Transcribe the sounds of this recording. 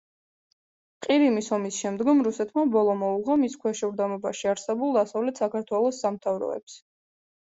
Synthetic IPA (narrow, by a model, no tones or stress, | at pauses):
qʼiɾimisɔmisʃɛmd̪ɡɔmɾusɛt̪ʰmabɔlˠɔmɔuʁamiskʰwɛʃɛvɾd̪amɔbaʃiaɾsɛbulˠd̪asavlɛt̪ʰsakʰaɾt̪ʰwɛlˠɔsːamt̪ʰavɾɔ̰ɛ̰ps